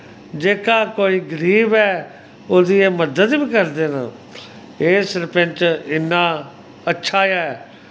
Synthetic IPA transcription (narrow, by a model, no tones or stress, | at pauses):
d͡ʒeːkaːkoːiːɡəɾiːbɛː | oːd̪iːeːməd̪əd̪biːkəɾd̪eːnã̰ː | eːsɾpɪ̃nt͡ʃɪnːãː | ətːʃʰaːjaːɛː